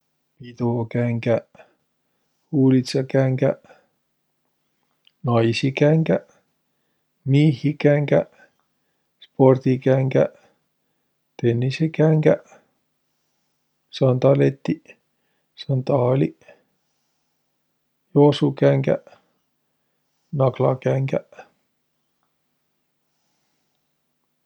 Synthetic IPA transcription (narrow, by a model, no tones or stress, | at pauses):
pit̪okæŋkæ | huːlisɑkæŋɡæ | nɑisikæŋkæ | mihikæŋɡæ | sport̪ikæŋɡæ | t̪enːisekæŋɡæ | sɑnt̪ɑlet̪ːi | sɑnt̪ɑːli | josukæŋkæ̰ | nɑklɑkæŋkæ